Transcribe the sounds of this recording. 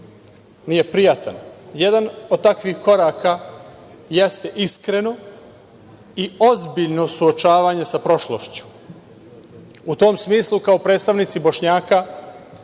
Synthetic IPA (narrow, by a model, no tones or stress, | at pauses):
nije̞pɾijat̪a̰njed̪anod̪̚t̪akʋixko̞ɾaːka | jest̪eʔiskɾe̞no̞ | iozbiʎno̞suot͡ʃaːʋaɲe̞sapɾo̞ʃlˠoʃt͡ɕu̥ | ut̪o̞ːmsmiːslˠukaopɾe̞ːt̪st̪aʋnit̪sibo̞ʃɲaːka